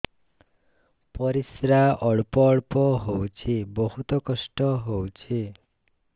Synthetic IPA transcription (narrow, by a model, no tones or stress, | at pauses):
pɔɾisɾaɔɭpɔːɭpɔɦowt͡ʃʰibɔɦut̪ɔkɔsʈɔɦowt͡ʃʰi